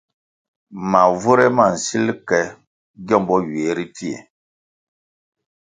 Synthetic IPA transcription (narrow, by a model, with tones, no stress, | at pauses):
ma˨vu˦ɾɛ˦ma˨n̩˨si˦lkɛ˨ | ɡɔ˦mbɔ˦ɥeː˨˦ɾi˦ti˦ḛ˨